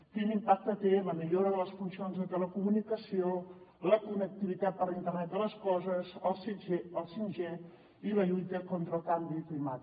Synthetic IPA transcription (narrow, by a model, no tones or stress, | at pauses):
kinimpak̚t̪ət̪eləmiʎoɾəðələsfunsionzðət̪ələkumunikəsioləkunək̚t̪iβit̪at̪̚pəɾlint̪ərnɛt̪̚d̪ələskɔzəzəlˠsid͡ʒeəlˠsinʒe | iləʎujt̪əkont̪ɾəlˠkambiklimat̪